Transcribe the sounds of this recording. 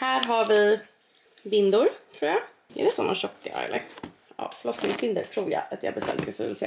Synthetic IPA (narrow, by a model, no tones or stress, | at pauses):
hæːɾɦaɾvɪ | vɪnd̪ʊɾt̪ʰɾuːɾja | ɛ̰ɾɛsɔmːaɕɔkːaʔœ̰jlɛ | ɑ̰fɭɔsnɪŋsvɪnd̪əʈ̪ʰɾuːɾja̰at̪ja̰habɛst̪ɛlt̪ːɛfʉ̰ːnsɛ